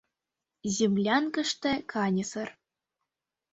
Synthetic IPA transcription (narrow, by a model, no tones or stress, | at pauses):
zʲemlʲɑnkɤ̆ʂt̪ɘ̆kʰɑnʲɤ̆sɤ̆r